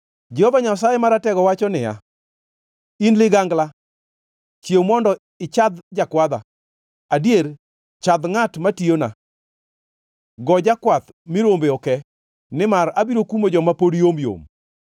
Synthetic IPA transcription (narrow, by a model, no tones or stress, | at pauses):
d͡ʒɛhovaɲas̬ajɛmaɾatɛɡɔwat͡ʃɔnɪja̰ | inlɪɡaŋɡla | t͡ʃjemɔndɔ | ɪt͡ʃad̪d͡ʒakwad̪a̰ | adjeɾ | t͡ʃad̪ŋatmatijona̰ | ɡɔd͡ʒakwat̪ | mɪɾombeɔkɛ | nɪmaɾabiɾokumod͡ʒɔmapoɾijomjo̰m